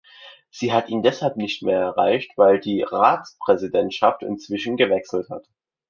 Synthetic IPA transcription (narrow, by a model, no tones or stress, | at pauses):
z̥iːɦatʔiːndɛshalpnɪçtmeːɐɛɐʁaɪçtv̥aɪldiːʁaːt͡spʁ̥ɛzidɛntʃaftɪ̰nt͡sv̥ɪʃn̩ɡəvɛksl̩tha̰t